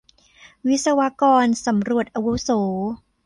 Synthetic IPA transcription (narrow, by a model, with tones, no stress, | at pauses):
wi˦˥t̪̚sa˧wa˦˥kɔː˧nsa˩˦mɾu˨˩ət̪̚ʔa˧wu˦˥soː˩˦